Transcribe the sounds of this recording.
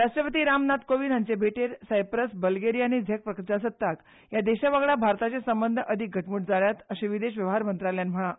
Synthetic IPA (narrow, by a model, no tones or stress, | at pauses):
ɾaʂʈɾəpət̪iːɾamnat̪koʋinant͡sebʱeʈeɾsajpɾəsbəlɡeɾijañid͡zʱek̚pɾəkəɾt͡ɕas̬ət̪ːak | jad̪eɕaʋaɡɭabʱaɾt̪at͡sesəmbənd̪ʱəʔəd̪ʱik̚ɡʱəʈmuːʈ̚d͡zaɭjat̪əɕeʋid̪eɕʋjəʋɦaɾmənt̪ɾaljanm̤əɭa